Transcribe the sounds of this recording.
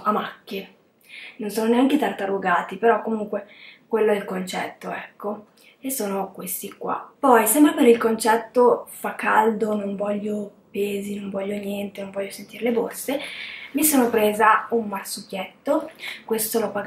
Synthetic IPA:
amakːe | nonsoːnoneaŋket̪art̪aɾuɡaːt̪ipeɾɔkːomuŋkwekwelːoɛlkont͡ʃɛt̪ːoɛkːo | esoːnokwest̪ikwa̰pɔjsɛmbɾapeɾilkont͡ʃɛt̪ːofakːald̪onoɱvɔʎːo | peːzinoɱvɔʎːonjɛnt̪enõɱvɔʎːosent̪iɾeleborsemisoːnopɾeːzaumːarsukjɛt̪ːokwest̪olopa

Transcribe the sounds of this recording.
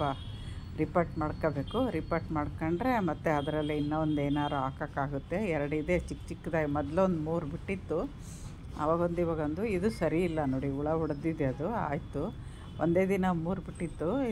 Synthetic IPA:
ɐ | ɾipɐɾʈmaːɽkobe̞ːkuɾipɐɾʈmaːɽkoɳɖɾe̞mɐt̪ːeɐd̪ɐɾɐlːiinːɐond̪eːnaːɾuaːkakaːɡut̪ːe̞ɛɾɐɽeid̪et͡ʃikːt͡ʃikːd̪aːjmɔd̪lond̪muːɾbiʈːit̪ːu | ɐ̰ʋaːɡond̪iʋaːɡɐond̪uid̪usɐɾiːlːɐno̞ːɽiuɭɐuɽd̪id̪eɐd̪ua̰ːjt̪u | ond̪e̞ːd̪inɐmuːɾbiʈːit̪ːu

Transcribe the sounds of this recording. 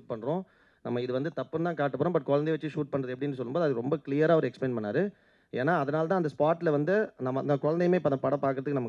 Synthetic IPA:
ʈ̚pɐɳːɾõː | nɐmːɐɪðɯʋɐnd̪ɯt̪ɐpːɯnt̪ãːkaːʈːɯpːoːɾõːbɐʈ̚ːkɔɻɐnd̪ɛjʋɐt͡ʃːɯʂuːʈ̚pɐɳːɾɐðɯɛpːɐɽɪnːɯs̬ɔlːɯmboːðɯɐðɯkːɯɾɔmbɐkɪɭɪjɐɾaːɐʋɐɾɯɛksplɛːnpɐnːaːɾɯ | eːnːaːɐðɐnaːlt̪̬ãːɐnd̪ɐspaːʈːɪlɐʋɐnd̪ɯnɐmːɐɐnd̪ɐkʊɻɐnd̪ɐjmeːpːɐðɐpɐɽɐ̃pːaːɾkɯɾɐðɯkːnɐmɐk

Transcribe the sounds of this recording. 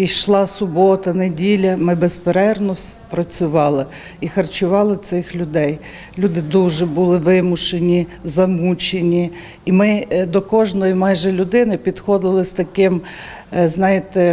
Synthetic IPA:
iʃlˠɑsʊbɔt̪ɐnedʲilʲɐmɪbespeɾɛrnɔpɾɐt͡sʲʊʋɑlˠɪ | ixɐrt͡ʃʊʋɑlˠɪt̪sɪxlʲʊd̪ɛj | lʲud̪ɪd̪uʒɛbulˠɪʋɪmʊʃenʲizɐmut͡ʃenʲi | imɪd̪ɔkɔʒnɔjimɑjʒɛlʲʊd̪ɪnɪpʲid̪xɔd̪ɪlˠɪst̪ɐkɪm | znɑjet̪ɛ

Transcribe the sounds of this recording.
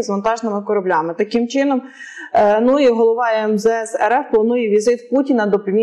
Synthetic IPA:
zʋɐnt̪ɑʒnɪmɪkɔɾɐblʲɑmɪt̪ɐkɪmt͡ʃɪnɔm | nuiɦɔlˠɔʋɑɛmzɛɛsɛɾɛfplˠɐnujɛʋʲizɪt̪putʲinɐd̪ɔpʲimʲi

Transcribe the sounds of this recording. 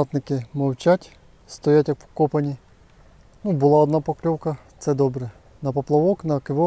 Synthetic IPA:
ɑt̪nɪkɪmɐwt͡ʃʲatʲ | st̪ɔjatʲjɐk̚pɔ̥kɔpɐnʲi | nubʊlˠɑɔd̪napɔklʲɔwkɐt̪sɛd̪ɔbɾɛ | nɐpɔplˠɐʋɔknɐkɪʋɔ

